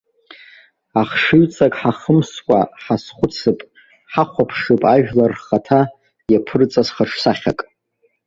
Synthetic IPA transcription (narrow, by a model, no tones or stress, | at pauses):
aχʂɨɥt͡sʼakʼħaχəmskʷʼa̰ħasχʷʊt͡sʰɨpʼ | ħaχʷapʰʂɨpʼaʒᶣlarχatʰa | japʰɨrt͡sʼasχaʈ͡ʂʰsaχʲakʼ